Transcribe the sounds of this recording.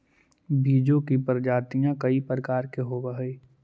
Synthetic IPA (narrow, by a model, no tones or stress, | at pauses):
bʱiːd͡ʒõkipəɾd͡ʒaːt̪ijãkɐipɾəkaːɾkeɦoːbaɦiː